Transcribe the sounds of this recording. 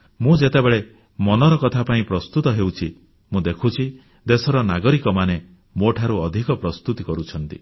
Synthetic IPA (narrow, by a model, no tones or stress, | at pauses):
mũd͡ʒet̪ebeɭe | mɔnɔɾɔkɔt̪ʰapaĩpɾɔst̪ut̪ɔɦewt͡ʃʰi | mũd̪ekʰut͡ʃʰi | d̪esɔɾɔnaɡɔɾikɔmane | moʈʰaɾuɔd̪ʱikɔpɾɔst̪ut̪ikɔɾut͡ʃʰɔnt̪ḭ